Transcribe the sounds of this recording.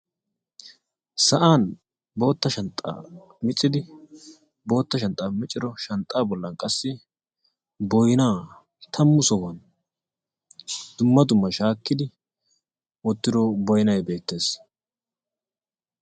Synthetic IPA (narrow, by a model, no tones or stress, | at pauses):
sɐʔaːn | bo̞ːt̪ːɐʃɐnt̪ʼːa̰ː | mɪt͡sʼːɪd̪ɪ | bo̞ːt̪ːɐʃɐnt̪ʼaːmɪt͡ʃʼːɪd̪ɔʃɐnt̪ʼːaːbɔlːɐnkʼɐsːɪ | bɔjnaː | t̪ʰɐmːʊsɔwɐn | d̪̥ʊmːɐd̪ʊmːɐʃaːkːɪd̪ɪ | wɔt̪ːɪd̪ɔbɔjɪnɐjbe̞ːt̪ːe̞ːs